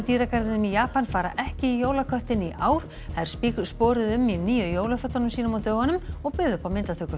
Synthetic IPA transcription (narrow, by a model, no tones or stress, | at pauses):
t̪iːɾakaɾðɪnʏmijaːpanfaːɾaʔɛhcɪijoːwlakʰœht̪ɪniʔaːwɾ̥ | θaðɪɾsspɔːɾɪðʏmːiniːjʏjoːwlafœt̪ːanʏmsiːnʏmawt̪œːɣanʏmɔɣpʏðʏpawmɪnt̪at̪ʰʏkːʏ